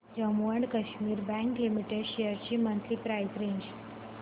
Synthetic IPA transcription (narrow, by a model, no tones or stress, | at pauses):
d͡ʑəmuəɳɖkəɕmiːɾbɛ̃ŋklimiʈeɖɕejəɾt͡ɕiːmənt̪liːpɾajzɾeɲd͡ʑ